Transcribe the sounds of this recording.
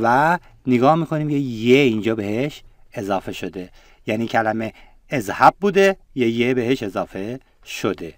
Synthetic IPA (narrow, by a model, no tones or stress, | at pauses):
væ | neɡɒːhmiːkʰo̞niːmcʰejeind͡ʒɒːbe̞ɦeʃezɒːfe̞ʃo̞d̪e̞ | jæniːcʰælæme̞ː | zhæb̚buːd̪e | jejebeɦeʃe̞zɒːfe̞ | ʃod̪e̞